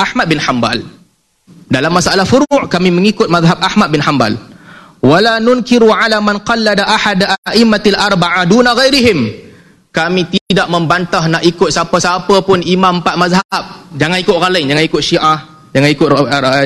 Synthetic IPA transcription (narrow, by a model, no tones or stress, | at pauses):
ʔahmat̪̚bɪnħamba̰l | dalamːasalahfuɾʊʔkamĩmə̃ŋikʊt̪̚maðɦabahmat̪̚bɪnħamba̰l | walanʊnkɪɾuʕalamanqɑlːadaʔaħadʔaʔɪmːalʔarˤbaʕadunaɣajɾiɦɪm | kamĩt̪idaʔmə̃mbant̪ahnaʔikʊt̪̚sapəsapəpʊnimãmpat̪̚mazɦaab̚d͡ʒaŋanikʊt̪̚ɣalajnd͡ʒaŋanikʊt̪̚ʃiʔah | d͡ʒaŋanikʊt̪